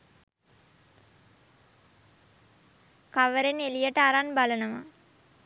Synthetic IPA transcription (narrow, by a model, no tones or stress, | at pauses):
kaʋəɾenelijəʈəaɾanbalənəma